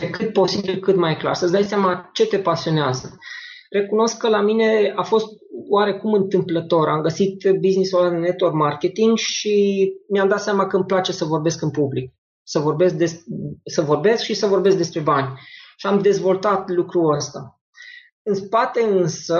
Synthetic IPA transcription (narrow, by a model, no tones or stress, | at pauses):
ekɨt̪̚po̞sibilkɨt̪majkla̰rsəsd̪ajseamat͡ʃe̞t̪e̞pasio̞neazəre̞kuno̞skːəlamine̞afo̞st̪̚waɾe̞kumɨnt̪ɨmplət̪o̞ɾamɡəsit̪biznisulanet̪ormarkʲe̞t̪iŋɡʃimiamd̪at̪seamakəɨmplat͡ʃe̞səvo̞rbe̞skɨnpublik̚ | səvo̞rbe̞sk̚d̪e̞ssəvo̞rbe̞skʃisəvo̞rbe̞skd̪e̞spɾe̞banʲʃiamd̪e̞zvo̞lt̪at̪lukɾuəst̪a | ɨnspat̪e̞ɨnsə